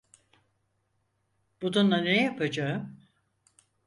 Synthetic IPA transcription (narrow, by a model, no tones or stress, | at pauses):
b̥ud̪unlˠanejapʰad͡ʒaɯm